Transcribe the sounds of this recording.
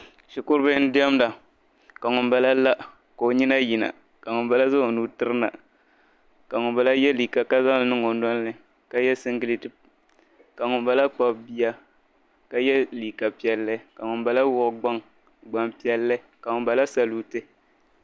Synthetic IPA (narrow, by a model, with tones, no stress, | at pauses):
ʃi˨kʊ˦ɾbɨ˦n̩˦dɪ˦ɛ˦mda˨ | ka˨ŋʊ˨nba˦la˦la˦ʔ | ko˨o˨ɲi˦na˦ji˨na̰˨ | ka˨ŋʊ˨nba˦la˦za˦˨nu˦tɨ˦ɾɨ˦na̰˨ | ka˨ŋʊ˨nba˨la˦jɛ˦li˨ka˨ka˦za˦ŋ˨lɨ˦nɨ˦ŋo˨ndɔ˦nː˦ɨ˨ | ka˦jɛ˦sɨ˦ŋɡɨ˨li˦tɨ˦ | ka˨ŋʊ˨mba˦la˦k͡pa˦bbi˦ja˦ | ka˨jɛ˦liː˨ka˨pi˨ɛ˨lːɨ˦ka˨ŋʊ˨nba˨la˦wʊ˦ʔɡ͡ba˦ŋ | ɡ͡ba˦mpi˦ɛ˦lːɨ˦ | ka˨ŋʊ˨mba˨la˦sa˨lu˨tɨ˦